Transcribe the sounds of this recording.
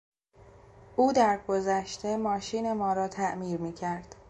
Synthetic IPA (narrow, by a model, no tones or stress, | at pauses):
ʔuːd̪æɾɡo̞zæʃt̪e̞mɒːʃiːne̞mɒːɾɒːt̪ʰæʔmiːɾmiːcʰæɾd̪̥